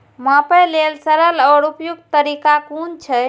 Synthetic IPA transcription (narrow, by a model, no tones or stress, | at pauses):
mapəjlelsəɾəlɔɽupjuk̪̚t̪əɾikakunt͡ʃʰə